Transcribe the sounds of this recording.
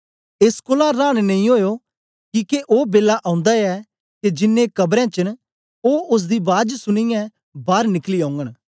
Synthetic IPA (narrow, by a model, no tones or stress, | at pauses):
eskoːlaɾaːɽ̃nɐĩɦoːjo | kiːkeʔoːbeːlaʔãːʊ̃nd̪aɛ | ked͡ʒɪnːẽkɐbɾɛ̃t͡ʃən | oːʊs̬d̪ibaːd͡ʒsʊɽ̃ɪjɛ̃ | baːɾnɪkliãːʊŋɡən